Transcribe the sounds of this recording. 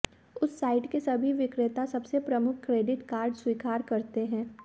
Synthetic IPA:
ʊsːaːɪʈkesɐbʱiʋɪkɾɪt̪asɐbsepɾɐmʊkʰkɾeːɖɪʈkaːɾɖswiːkaːɾkɐɾt̪eɦɛ̃ː

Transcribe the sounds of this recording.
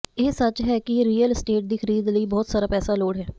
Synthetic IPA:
eːsət͡ʃɦɛːkɪɾiːəlɪsʈeːʈ̚d̪iːxʰəɾiːd̪ləiːbɔːt̪saːɾaːpɛːsaːloːɽɦɛː

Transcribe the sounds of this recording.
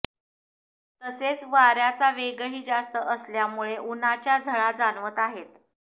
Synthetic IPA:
t̪əset͡sʋaɾjat͡saʋeɡɭiːd͡zast̪əʔəsljamuɭeʔunat͡ɕjad͡zʱəɭad͡zanʋət̪aɦet̪

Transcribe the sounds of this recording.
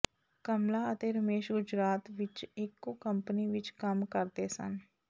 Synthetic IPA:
kəmlaət̪eɾəmeːʃɡʊd͡ʒɾaːt̪ʋɪt͡ʃeːkːokəmpniʋɪt͡ʃkɐmkəɾt̪esə̰n

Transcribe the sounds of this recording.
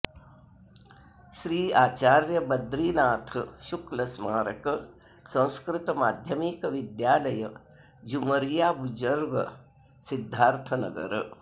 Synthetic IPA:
ʃɾiːaːt͡ʃaːɾjɐbɐd̪ɾiːnaːt̪ʰɐʃuklɐsmaːɾɐkɐ | sɐ̃w̃skɾɪt̪ɐmaːd̪ʱjɐmiːkɐʋid̪jaːlɐjɐ | d͡ʒumɐɾijaːbud͡ʒɐɾɡɐ̰ | sid̪ʱːaːɾt̪ʰɐnɐ̰ɡɐ̰ɾɐ

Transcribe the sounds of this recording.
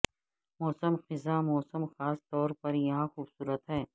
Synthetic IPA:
mɔːsəmxɪzamɔːsəmxaːst̪ɔːɾpɐɾjɐɦãxuːbsuːɾət̪ɦɛː

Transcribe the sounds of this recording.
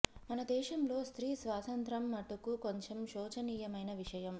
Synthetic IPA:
mɐnɐd̪ɛːʂɐmlo̞ːst̪ɾiːsʋaːsɐnt̪ɾɐmːɐʈukukoɲt͡ʃemʃɔːt͡ʃɐniːjɐmɐjnɐʋiʂɐjɐm

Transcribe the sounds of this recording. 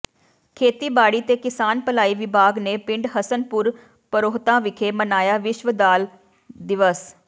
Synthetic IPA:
kʰeːt̪iːbaːɽiːt̪eːkɪsaːnpəlaːiːʋɪbʱaːɡneːpɪ̃ɳɖɦəsənpʊɾ | pəɾoːɦt̪ãːʋɪkʰeːmənaːjaːʋɪʃʋəd̪aːl | d̪ɪʋəs

